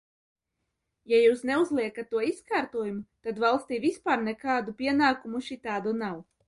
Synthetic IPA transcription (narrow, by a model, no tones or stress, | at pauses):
jajuːsneuzlˠiɛkat̪ːuɔiskaːɾt̪uɔjumut̪ad̪valˠst̪iːvʲispaːɾnɛkaːd̪upʲiɛnaːkumuʃit̪aːd̪unaw